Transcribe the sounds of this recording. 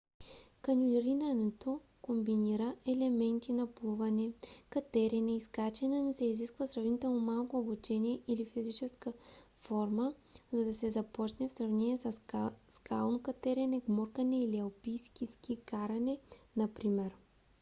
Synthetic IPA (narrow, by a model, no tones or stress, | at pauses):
kɐnʲulɾinɐnɛt̪o | kombiniɾəɛlɛmɛnt̪inɐplˠuvɐnɛkɐt̪ɛɾɛnɛiskat͡ʃɛnɛnosɛiziskvɐsɾɐvnit̪ɛlˠnomalˠkoːbut͡ʃɛniɛilifizit͡ʃɛskə | fɔɾməzɐd̪ɐsɛzɐpɔt͡ʃnɛfsɾɐvnɛnʲiɛsɐskalˠnokɐt̪ɛɾɛnɛɡmoɾkɐnɛiliɐlpijskʲiskʲikaɾɐnɛnɐpɾimɛɾ